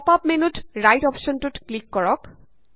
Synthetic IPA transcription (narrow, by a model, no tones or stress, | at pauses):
papmenuʈɹajʈɔpʃɔnʈuʈklikːɔɹɔk